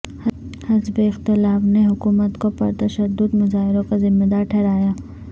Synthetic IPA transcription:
hɐzbeɪxt̪ɪlaːfneɦʊkuːmət̪kopɐɾt̪ɐʃəd̪ːʊd̪mʊzaːɦɪɾõkazɪmːed̪aːɾʈʰɛːɾaːjaː

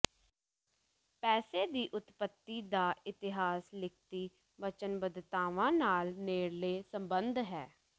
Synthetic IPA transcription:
pɛːseːd̪iːʔʊt̪pət̪ːiːd̪aːɪt̪ɪɦaːslɪk̚ʰt̪iː | ʋət͡ʃənbəd̪t̪aːʋãːnaːlneːɽleːsəmbənd̪ɦɛː

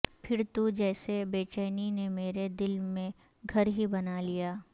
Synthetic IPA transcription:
pʰɪɾt̪ud͡ʒɛːsebeːt͡ʃɛːninemeːɾed̪ɪlmẽ | ɡʱɐɾɦibɐnalijaː

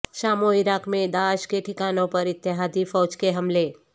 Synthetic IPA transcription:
ʃaːmoɪɾaːkmẽd̪aːʃkeʈʰɪkaːnõpɐɾɪt̪ːɪɦaːd̪ifɔːd͡ʒkeɦɐmle

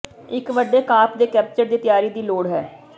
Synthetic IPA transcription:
ɪkʋəɖeːkaːpd̪eːkɛːp̚t͡ʃəɾd̪iːt̪ɪjaːɾiːd̪iːloːɽɦɛː

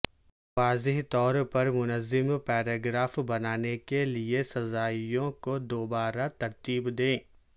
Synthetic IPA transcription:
ʋaːzɪɦt̪ɔːɾpɐɾmʊnəzːɪmpɛːɾaːɡɾaːfbɐnaːnekeliesɐzaːijõkod̪oːbaːɾat̪ɐɾt̪iːbd̪ẽː

